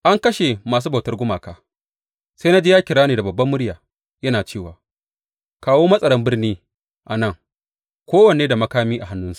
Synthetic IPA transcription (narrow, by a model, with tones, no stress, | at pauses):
ʔa˦ŋkɐ˦ʃe˨maː˨s̬uː˦ba˨tɐ˦rɡʷʊ˦maː˨kaː˦ | sa˦jna˦d͡ʒeː˦jaː˦kʲɪ˨ɽaː˦neː˨da˨bɐ˨bːɐ˦mːʊ˦ɽjaː˨ | jɐ˦naː˨t͡ʃeː˦˨waː˨ | kaː˦woː˦mɐ˦sʼɐ˨ɽɐ˦mbɪ˦rniː˦ | ʔa˨nɐ˦˨ŋ | kʷoː˦wɐ˨neː˦da˨mɐ˦kaː˦miː˦ʔa˨ɦa˦nːʊ˦nsu̥˨ʔ